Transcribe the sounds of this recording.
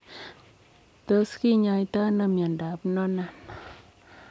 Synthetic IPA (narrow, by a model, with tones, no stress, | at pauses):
t̪ə˧˦ski˦ɲa˧jt̪a˦na˧mja˨nda˨pnɔ˦na˨n